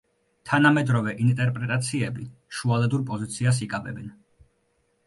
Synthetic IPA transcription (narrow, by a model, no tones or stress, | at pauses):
t̪ʰanamɛd̪ɾɔvɛʔint̪ʼɛɾpʼɾɛt̪ʼat̪sʰiɛbiʃualɛd̪uɾpʼɔzit̪sʰias̬ikʼabɛbɛn